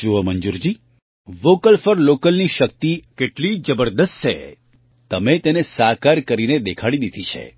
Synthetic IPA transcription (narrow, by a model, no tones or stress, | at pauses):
uɦəməɲd͡ʒuɾd͡ʒi | ʋokəlfəɾlokəlniʃəkt̪ikeʈlid͡ʒəbəɾd̪əst̪ʃʰḛ | t̪əmet̪enesakaɾkəɾined̪ekʰaɽid̪id̪ʱit͡ʃʰḛ